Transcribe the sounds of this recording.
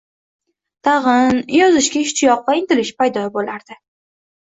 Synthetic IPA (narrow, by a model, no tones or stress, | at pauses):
t̪ʰɑʁɨnjɒzɪʃkʲaɪʃt͡ʃ̪ʰɪjɒqːɑɪnt̪ɪlɪʃpajd̪ɒbolaɾd̪̥ɪ